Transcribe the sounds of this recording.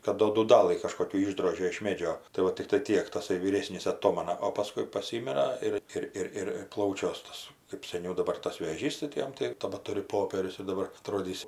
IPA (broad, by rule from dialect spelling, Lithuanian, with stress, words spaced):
kɐt ˈdoː duːˈdɑːlˠɨ kɐʃkoːˈkʲuː ˈɪʒdroːʒʲeː ɪʃ ˈmʲeːd͡ʒʲoː tɐɪ ˈʋɐ tʲɪkˈtɐɪ ˈtʲiɛk tɐˈsɐɪ ʋʲiːˈrʲeːsʲnʲiːs ɐˈtoːmɐnɐ oː pɐˈskʊɪ pɐˈsʲiːmʲɪrɐ ˈɪr ˈɪr ˈɪr ˈɪr ˈplˠɐʊt͡ʃʲuɔs ˈtɐs kɜp sʲɛˈnʲɛʊ dɐˈbɐr tɐs ʋʲeːˈʒʲiːs tɐɪ tʲɪ ˈjɛm tɐɪ tɐbɐˈtʊrʲʊ ˈpoːpʲiɛrʲʊs ɪr dɐˈbɐr ɐˈtroːdʲiːs